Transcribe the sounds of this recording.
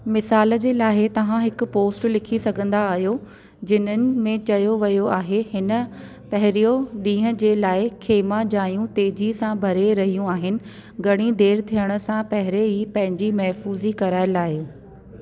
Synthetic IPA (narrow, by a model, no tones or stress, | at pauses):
mɪsaːlə̆d͡ʑeːlaːɦɪt̪ɐʋ̤ãɦɪkʊ̆poːsʈlɪkʰisɐɡʱə̃nd̪aːɦijo | d͡ʑɪn̤ənɪ̆mẽt͡ɕɐjoʋɐjoaːɦehɪnə̆ | pɐɦɪɾijoɗĩːɦə̃̆d͡ʑeːlaːɪkʰeːmãd͡ʑaːjũt̪eːd͡ʑisãbʱɐɾeɾɐɦijũaːɦɪnɪ̆ | ɡʱɐɽ̃id̪eːɾt̪ʰijəɽ̃ə̆sãpɐɦɪɾeipɐ̃ɦɪ̃ɲd͡ʑimɐɦfuːzikɐɾaːɪlaːɪ